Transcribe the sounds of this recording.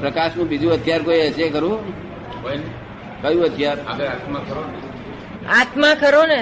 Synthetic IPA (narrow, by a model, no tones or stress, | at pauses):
pɾəkaʃnũbid͡ʒũət̪ʰjaɾkoiəsekəɾũ | kone | kəjũət̪ʰjaɾaɡeɾat̪makʰəɾone | at̪mãkʰəɾone